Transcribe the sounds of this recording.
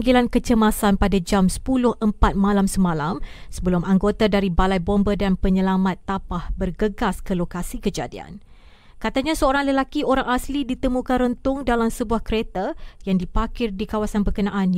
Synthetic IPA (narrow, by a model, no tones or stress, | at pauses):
ŋɡilankət͡ʃəmasanpadad͡ʒamsə̥pulʊhʔəmpat̪̚mãlamsəmãlamsəbəlumʔaŋɡot̪adaɾibalajbɔmbədanpəɲəlamat̪ːapahbərɡəɡaskəlokasikəd͡ʒadia̰n | kat̪aɲasəoɾaŋləlakioɾaŋaslidit̪əmũkanrənt̪ʊŋdalamsəbuahkəɾet̪ajaŋdipakɪrdikawasanbərkənãʔan